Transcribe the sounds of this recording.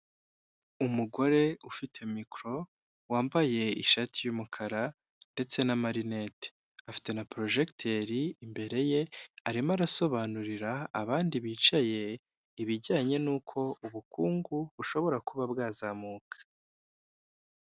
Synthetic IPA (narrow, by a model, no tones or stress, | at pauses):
umuɡo̞ɾe̞ufitʰe̞mikɾo̞ | waːmbaje̞ḭʃaːtijumukʰaɾa | nde̞t͡se̞namaɾine̞te̥ | afi̥te̞napɾo̞ʒe̞ktʰe̞ɾiːmbe̞ɾe̞je̞aɾimaɾaso̞βaːnuɾiɾaːβaːndiβiːt͡ʃaje̞ | iβiɟaːɲe̞nuːkʰo̞uβukuːŋɡuβuʃo̞βo̞ɾakuβabɡaːzamukʰḁ